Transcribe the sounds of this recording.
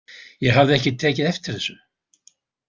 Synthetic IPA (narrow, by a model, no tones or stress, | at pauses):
jɛɣɦavðɪɛhcɪt̪ʰɛːcɪðɛft̪ɪɾ̥θɛsːʏ